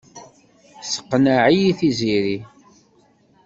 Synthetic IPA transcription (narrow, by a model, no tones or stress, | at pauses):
sə̥qːnaʕijiθiziɾi